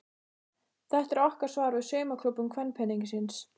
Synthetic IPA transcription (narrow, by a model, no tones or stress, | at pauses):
θɛht̪ɛɾɔhkaɾ̥svaːɾvɪðsœːmakʰlʏpːʏmkʰvɛnːpʰɛnːiɲcɪsɪns